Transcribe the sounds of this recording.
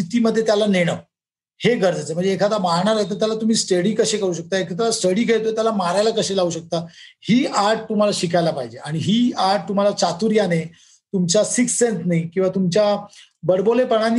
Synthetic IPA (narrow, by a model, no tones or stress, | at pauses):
it̪iːməd̪ʱːjet̪jalaneɽ̃ə | heɡəɾd͡zət͡sem̤əɳd͡zeːkʰat̪amaɾɳaɾaɦet̪̬əɾt̪jalat̪um̤iːsʈəɽiːkəɕekəɾuːɕək̚t̪aekʰat̪asʈəɽiːkʰet̪ojt̪jalamaɾajlakəɕelaɦuɕək̚t̪ahiːaɾʈ̚t̪um̤alaɕikajlapaɦid͡ʑeaɽ̃iɦiːaɾʈ̚t̪um̤alat͡ɕat̪uɾjane | t̪umt͡ɕasiksːensnaikĩw̃ʋat̪umt͡ɕja | bəɽbolepəɳ̃an